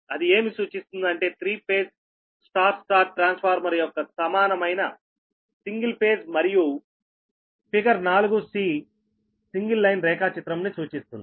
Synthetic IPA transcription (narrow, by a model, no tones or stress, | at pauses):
ɐd̪ie̞ːmisuːt͡ʃist̪und̪ɐɳʈe̞ːt̪ʰɾiːpe̞ːd͡ʒ | sʈaːɾsʈaːɾʈɾaːnspʰaːɾmɐɾijɔkːɐsɐmaːnɐmɐjnɐ | siŋɡilpe̞ːd͡ʒmɐɾiju | pikɐɾnaːluɡusiː | siŋɡilːɐjnɾɛːkaːt͡ʃit̪ɾɐmnisuːt͡ʃist̪und̪i